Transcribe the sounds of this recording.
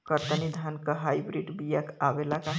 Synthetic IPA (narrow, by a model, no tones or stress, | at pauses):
kəɾt̪ənid̪ʱankəɦajbɾiɖbijakabelaka